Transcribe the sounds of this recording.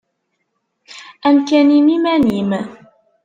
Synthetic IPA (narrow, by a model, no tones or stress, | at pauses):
ʔamkanimimaniːma